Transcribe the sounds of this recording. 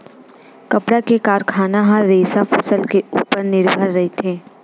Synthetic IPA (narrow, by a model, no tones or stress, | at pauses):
kɐpɽakekaːɾkʰaːnaɦãɾeːsafʰɐsəlkeuːpəɾnɪɾbʱəɾːɐɦet̪ʰeː